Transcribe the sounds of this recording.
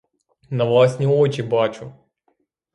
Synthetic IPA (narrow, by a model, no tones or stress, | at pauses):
nɐvlˠasʲnʲɪot͡ɕɪbat͡ɕʊ